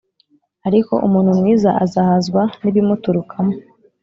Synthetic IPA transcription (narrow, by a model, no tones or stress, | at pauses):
aɾiko̞̰ʔumuːn̥humŋiːzaazahazɡwaniβimutuɾukʰamo